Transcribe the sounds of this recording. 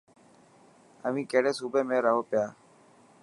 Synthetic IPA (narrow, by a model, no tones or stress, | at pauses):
əʋĩːkeːɽeːsuːbeːmẽːɾəɦoːpɪjaː